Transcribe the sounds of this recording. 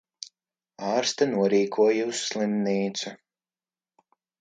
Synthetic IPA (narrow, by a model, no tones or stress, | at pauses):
ɑːɾst̪anuɔɾiːkʰuɔjuusːlˠimniːt̪su